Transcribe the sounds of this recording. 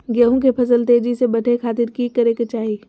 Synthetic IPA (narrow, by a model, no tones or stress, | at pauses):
ɡəɦũk̬epʰɐsəlt̪eːd͡ʒisebɐʈʰekʰaːt̪ɪɾkikɐɾeket͡ʃaːɦi